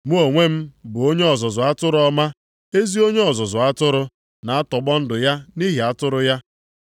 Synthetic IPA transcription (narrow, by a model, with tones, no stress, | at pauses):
mu˦o˨ŋʷe˦m̩˦bʊ˨o˦ɲe˦ɔ˨zɔ˨zʊ˨a˦tʊ˦ɾʊ˦ɔ˦ma˦ | e˦zi˦o˦ɲe˦ɔ˨zɔ˨zʊ˨a˦tʊ˦ɾʊ˦ | na˨a˦tɔ˨ɡ͡bɔ˦n̩˦dʊ˨ja˦ni˦ɦi˨a˦tʊ˦ɾʊ˦ja˦